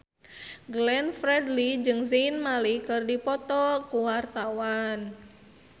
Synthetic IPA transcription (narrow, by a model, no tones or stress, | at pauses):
ɡlɛnfɾɛdlid͡ʒɨŋzenmalikɨrdipɔt̪ɔkuwart̪awan